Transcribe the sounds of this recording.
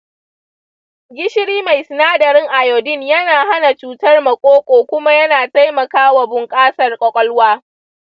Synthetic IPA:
ɡʲɪ˦ʃɪ˦ɽiː˦ma˨jsɪ˨naː˦dɐ˨ɾɪ˦ŋʔa˨joː˨dɪ˦˨njɐ˦naː˨ɦa˦na˨t͡ʃuː˦tɐ˦rmɐ˨kʷʼoː˦kʷʼoː˨kʷʊ˦ma˦jɐ˦naː˨ta˦jmɐ˨kaː˦wa˨bʊ˨ŋkʼaː˦sɐ˨rkʷʼɔ˨kʼɔ˦lwaː˦

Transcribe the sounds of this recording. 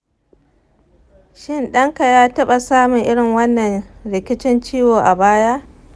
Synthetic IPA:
ʃɪ˦nɗɐ˦ŋka˨jaː˦tɐ˦ɓa˨saː˦mʊ˨ŋʔɪ˦ɽɪ˨ŋwɐ˦nːɐ˨nɽɪ˨kʲɪ˦t͡ʃɪ˦nt͡ʃiː˦woː˨ʔa˨baː˦jaː˦ʔ

